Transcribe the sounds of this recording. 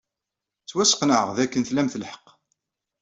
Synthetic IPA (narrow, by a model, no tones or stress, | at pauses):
t͡sːwæsə̥qnəʕəʁðækːənθlæmθəlħə̥qː